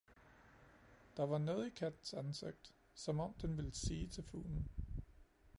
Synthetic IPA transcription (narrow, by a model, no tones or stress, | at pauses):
d̥ɑ̈ʋɑ̈nɔ̽ːð̞̩ˠikʰæd̥n̩sænseɡ̥̚d̥ | sɒ̽mɒ̽m̰d̥enʋe̝lsiːt͡sʰe̝lfṵːln̩